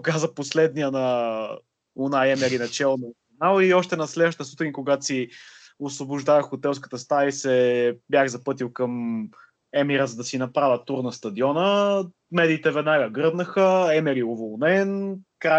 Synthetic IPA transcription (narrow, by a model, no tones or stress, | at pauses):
kazəposlɛd̪nijənɐ | onaɛmɛɾinɐt͡ʃɛlˠnɐinalˠiɔʃt̪ɛnɐslɛəʃt̪əsut̪ɛnʲikoɡat̪si | osvobʊʒd̪avəxot̪ɛlˠs̬kə̥t̪əst̪aisɛbjaxzɐpɤt̪ilˠkəm | ɛmiɾəzɐd̪ɐsinɐpɾavʲət̪uɾnɐst̪ɐd̪iɔnə | mɛd̪iːt̪ɛvɛd̪naɡəɡɤɾd̪nəxəɛmɛɾiovolˠnɛnkɾa